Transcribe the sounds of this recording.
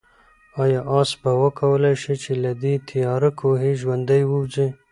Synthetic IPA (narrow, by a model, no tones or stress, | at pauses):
ɑjɑʔɑsbawəkʰawəlajʃit͡ʃelad̪it̪ʰijɑɾakʰoɦeʒwand̪əjwəwzi